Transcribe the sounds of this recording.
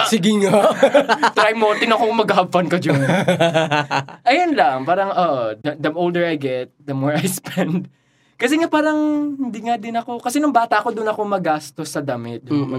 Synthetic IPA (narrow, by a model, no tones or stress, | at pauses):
sɪɡɪŋa | t̪ɾajmoːt̪ɪnɐkoŋmɐɡahɐb̚fɐnkɐd͡ʒon | ʔɐjonlɐŋpaːɾɐŋʔoʔd̪ɐd̪ɐmʔowld̪ɛɹɐjɡɛt̪̚d̪ɐmoɹɐjspʰɛnd̪̚ | kɐsɛŋapaːɾɐŋhɪnd̪iŋad̪ɪnɐko̞kɐsɛnʊŋbaːt̪ɐʔɐko̞d̪ʊnɐkomɐɡaːst̪osːɐd̪ɐmɪt̪̚m